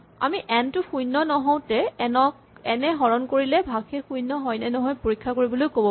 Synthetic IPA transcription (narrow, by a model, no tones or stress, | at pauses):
a̰miʔɛntʊxujnɔnɔɦɔ̃w̃tɛɛnɔk | ɛnɛɦɔɹɔnkoɹilɛbʱaɡxɛxujnːɔɦɔjnɛnɔɦɔjpoɹikʰːakoɹibɔlojkobɔ